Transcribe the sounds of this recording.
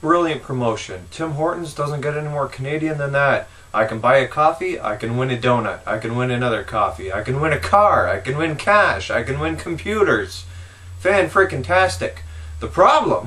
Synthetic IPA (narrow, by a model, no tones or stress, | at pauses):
b̥ɹɪlˠjɨ̃npʰɹ̥əmoʊʃɨ̰̃ntʰɪ̃mɦɔɹʔn̩zdʌzə̃n̩ɡ̥ɛɾɛnimɔɹkʰəneɪɾiɨ̃nðɨ̃nðæɾ | ʔaɪkɨ̃nbaɪɨkʰɔfia̰ɪkɨ̃nwɪ̃nɨdõʊ̃nɨ̰ɾa̰ɪkɨ̃nwɪ̃nɨnʌðə˞kʰɑfia̰ɪkɨ̃nwɪ̃ñɨkʰɑɹa̰ɪkɨ̃nwɪ̃nkʰæʃaɪkɨ̃nwɪ̃nkʰm̩pʰj̥ʉɾə˞z̥ | fæ̃nfɹɪkɨ̃ntʰæstɨk | ðəpʰɹ̥ɑblə̰̃m